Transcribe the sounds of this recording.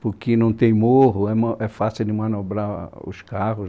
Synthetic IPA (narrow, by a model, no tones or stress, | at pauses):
pʊɾkɪnɐ̃w̃t̪ẽj̃moɦʊɛmɐɛfasiwd̪ɪmɐ̃nobɾaʊ̰skahʊ